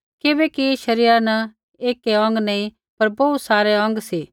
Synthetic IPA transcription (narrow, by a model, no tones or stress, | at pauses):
kɪbɛkiʃɐɾiːɾanɐ | eːkeɐ̃ŋɡnɐĩ | pɐɾbɐut̪saːɾeɐ̃ŋɡsiː